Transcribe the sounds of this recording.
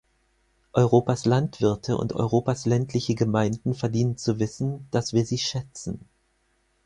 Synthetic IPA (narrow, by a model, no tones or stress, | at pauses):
ʔɔʏʁ̞oːpaslantv̥ɪɐtʰəʔʊ̰ntʔɔ̰ʏʁ̞oːpaslɛntʰlɪçəɡəmaɪndn̩fɛɐdiːnənt͡suvɪsn̩d̥asv̥iːɐziːʃɛt͡sn̩